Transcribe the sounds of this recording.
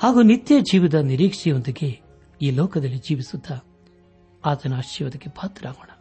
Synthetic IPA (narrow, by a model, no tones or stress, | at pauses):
haːɡuːnit̪jɐd͡ʒiːʋid̪ɐniɾiːkʂijond̪ɐɡe̞ | iːlɔːkɐd̪ɐlːid͡ʒiːʋisud̪ːɐ | aːt̪ʰɐnuɐʃjɐʋɐd̪ɐɡːepʰaːt̪ɾaːɡoːɳɐ